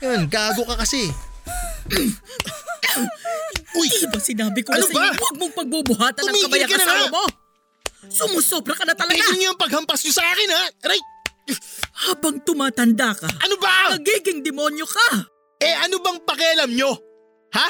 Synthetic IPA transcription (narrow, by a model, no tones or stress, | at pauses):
jonɡaːɡo̞kɐkɐsɛ | ojibɐsɪnaːbɪkoɐnobawɐɡ̚moŋpɐɡ̚bubʊɦaːt̪ɐnʊmiːkɐbɪjɐkɐnɐaɐmo̞ | sʊmʊsopnɐkɐnɐt̪ɐlɐɛɡaʊɲʊɐŋpɐɡ̚hɐmpɐsɲosɐʔaːkɪnhaɾajt̪̚ | haːbɐŋt̪ʊmaːt̪ɐnd̪akɐʔɐnobanɐɡiːɡɪŋd̪ɛmo̞njo̞kɐ | ʔɛʔɐnobɐŋpɐkɛɐlɐmɲo̞ | ha